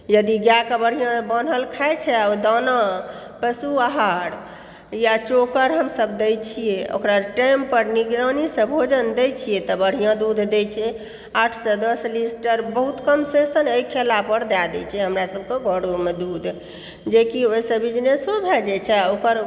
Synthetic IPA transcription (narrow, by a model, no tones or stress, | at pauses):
jəd̪iɡjakəbəɽ̤ijãbənɦəlkʰajt͡ʃʰɛawd̪anã | pəsuaɦaɽ | jat͡ʃokəɾɦəmsəbd̪et͡ʃʰijeo̰kɾaʈajmpəɾniɡɾənisə̃bʱod͡ʒənd̪et͡ʃʰijɛt̪ɔbəɽ̤ijãd̪ud̪ʱd̪et͡ʃʰɛ | aʈʰsɔ̃d̪əslisʈəɾbəɦut̪kəmsesənejkʰelapəɾd̪ad̪ɛt͡ʃʰɛɦəmɾasəb̚keɡʱəɽomed̪ud̪ʱ | d͡ʒekiojsəbid͡ʒnesobʱɛd͡ʒɛt͡ʃʰɛokəɾ